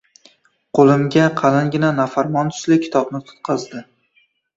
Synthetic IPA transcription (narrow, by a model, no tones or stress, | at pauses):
qʰolˠɪmɡʲaqʰɑlanɡʲɪnanafaɾmɒnt̪ʰʊ̥slɪkʲʰɪ̥t̪ʰɒbnɪt̪ʰʊ̥t̪̚qʰɑzd̪ɪ